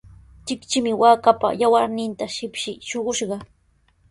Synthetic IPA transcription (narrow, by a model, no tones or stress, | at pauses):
t͡ʃɪkt͡ʃɪmɪwaːkapa̰jawaɾnɪnt̪aʃɪpʃɪʃoɢʊʃɢɑ